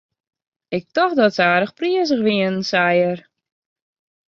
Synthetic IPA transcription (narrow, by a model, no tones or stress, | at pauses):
ɪk̚tɔxdɔtsaːɾəxpriəs̬əxʋiənn̩sajər